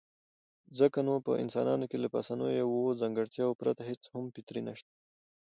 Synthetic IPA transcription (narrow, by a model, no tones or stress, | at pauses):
zəkanopə̰ʔɪ̰nsɑ̰nɑnokelapa̰sanojojawozaŋɡəɽt̪jɑwopɾat̪aɦet͡shampit̪ɾinaʃt̪ḁ